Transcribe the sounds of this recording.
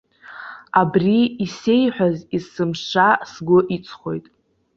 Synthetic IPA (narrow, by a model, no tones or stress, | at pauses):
abriːse̞jħʷᶣazisɨmʂasɡʷʊʔit͡sʼʰχo̞̰jtʼ